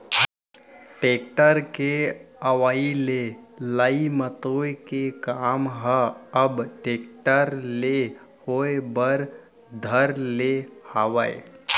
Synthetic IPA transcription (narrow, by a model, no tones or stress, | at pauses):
ʈeːk̚ʈəɾkeəʋaːilelaimət̪oːkekaːmɦəəbʈeːk̚ʈəɾle | hoːebəɾ | d̪ʱəɾlehaːʋəe